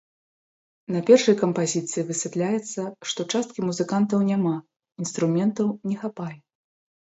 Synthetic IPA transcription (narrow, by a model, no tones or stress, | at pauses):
nɐpʲɛrʂɐjkɐmpazʲit̪sɨjivɨsʲɛt̪lʲajɛt̪sːɐʂt̪ɔt͡ʂast̪̚kʲimuzɨkant̪ɐwnʲama | inst̪ɾumʲɛnt̪ɐwnʲɛxapajɛ